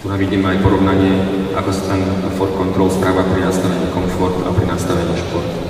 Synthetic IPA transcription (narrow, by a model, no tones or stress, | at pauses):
t̪unaʋiɟiːmɛajpɔɾɔʋnaɲɪɛ | ʔakɔsḁt̪ɛn | fɔɾkɔnt̪ɾɔlspɾaːʋapɾinast̪aʋɛɲiːkɔɱfɔɾt̪a̰ɔpɾinast̪aʋɛɲiʃpɔɾt̪